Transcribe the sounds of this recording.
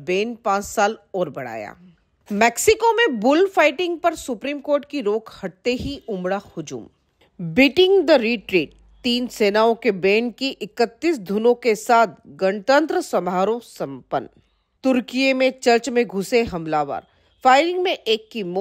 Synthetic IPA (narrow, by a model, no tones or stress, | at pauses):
beːnpãːt͡ʃsaːlɔːɾbɐɽ̤a̰ːja̰ː | mɛːksɪkomẽbʊlfaːɪʈɪ̃ŋɡ̚pɐɾsʊpɾiːmkoːɾʈkiɾoːkhɐʈ̚t̪eɦiʊmɽahʊd͡ʒṵːm | bɪʈɪ̃ŋɡd̪əɾiːʈɾiːʈ̚ | t̪iːnseːnaːõkebeːnkiʔɪkət̪ːiːsd̪ʱunõkesaːt̪̚ʰɡɐnt̪ə̃nt̪ɾəsɐmʱaːɾõsɐ̃mpə̰n | t̪ʊɾkijemẽt͡ʃɐɾt͡ʃmẽɡʱʊseɦɐmlaːʋa̰ːɾ | faːɪɾɪ̃ŋɡmẽʔeːkːimo